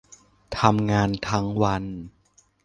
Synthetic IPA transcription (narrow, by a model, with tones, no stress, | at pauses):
t̪ʰa˧mŋaː˧nt̪ʰa˦˥ŋwa˧n